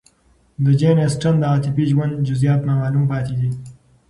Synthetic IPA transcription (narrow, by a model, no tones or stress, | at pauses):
d̪əd͡ʒenesʈand̪əaːt̪ɪpiʒwand̪d͡ʒʊzijɑːt̪namɑːlumpɑːt̪ed̪i